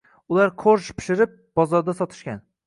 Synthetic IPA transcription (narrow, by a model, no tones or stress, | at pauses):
ʊlaɾqʰoɾʃpʰɪ̥ʃɪɾɪp̚b̥ɒzɒɾd̪asɒt̪ʰɪ̥ʃkʲan